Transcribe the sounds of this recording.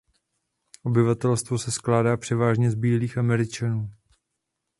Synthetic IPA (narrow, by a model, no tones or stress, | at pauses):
ʔo̞bɪvat̪ɛlst̪vo̞sɛsklaːdaːpr̝̥ɛvaːʒɲɛzbiːliːxamɛɾɪt͡ʃanuː